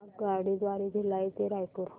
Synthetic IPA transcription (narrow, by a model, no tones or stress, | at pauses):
ɡaɽid̪ʋaɾiɡʱelaet̪eɾajkəɾu